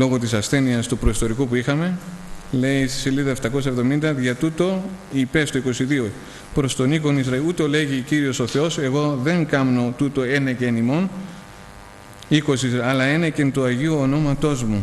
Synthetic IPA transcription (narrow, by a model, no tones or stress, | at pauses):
lo̞ɣo̞t̪isɐsθe̞niɐst̪upɾoist̪o̞ɾikupuixɐme̞le̞isiseliðɐeft̪ɐko̞s̬ɐevðo̞mind̪ɐʝɐt̪ut̪o̞ipe̞st̪oiko̞siðio̞ | pɾo̞st̪o̞niko̞nizɾɐilut̪ele̞ʝiciɾio̞so̞θe̞o̞se̞ɣo̞ðe̞ŋɡɐmno̞t̪ut̪o̞e̞necenimo̞n | iko̞siɐlɐe̞necent̪uɐʝiuːno̞mɐt̪o̞zmu